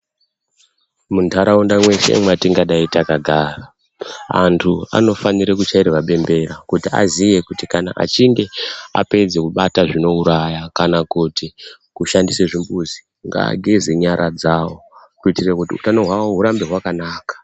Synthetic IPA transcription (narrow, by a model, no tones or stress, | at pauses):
muntʰaɾaundamwe̞ʃe̞̰matiŋɡaɗaitakaɡʱaːra | a̰ntʰua̰no̞faniɾek̬ut͡ʃaiɾewaɓe̞mbe̞ɾakutia̰zije̞kutikana̰ʔa̰t͡ʃiŋɡe̞a̰pe̞d͡zekuɓataʐino̞uɾajakanakuti | kuʃandiseʐimbuzi | ŋɡa̰ɡʱezeɲaɾʔad͡zawo̞kuitirekutiṵtanoɦwaoɦuɾambe̞ɦwakanaːkḁ